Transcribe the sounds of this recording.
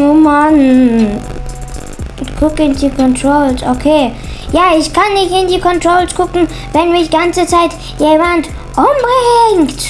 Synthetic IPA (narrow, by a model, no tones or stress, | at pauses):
oman | kʰʊkɪndikʰɔntʁolsokʰeːjaːɪçkʰanːɪçtɪndiːkʰɔntʁ̥oːlskʰʊkŋ̩ | vɛnviːɐdiːɡant͡sət͡saɪt | jeːmant | ʔomaɪɛŋkt